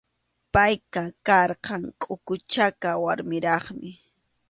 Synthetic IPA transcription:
pajkakɑɾqɑŋkʼʊkʊt͡ʃakawaɾmɪɾɑχmɪ

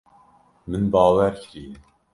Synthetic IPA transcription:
mɨnbɑːwæɾcʰɾiːn

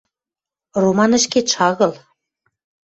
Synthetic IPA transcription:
romɑnə̆ʃkeʃɑɣɤ̆l

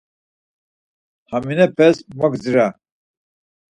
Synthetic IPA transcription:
haminɛpʰɛsmɔɡd͡zɾa

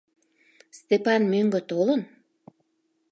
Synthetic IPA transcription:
st̪epɑnmøŋɡøt̪olən

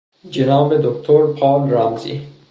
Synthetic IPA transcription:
d͡ʒenɒːmed̪okt̪ʰoɾpʰɒːlɾamzḭː

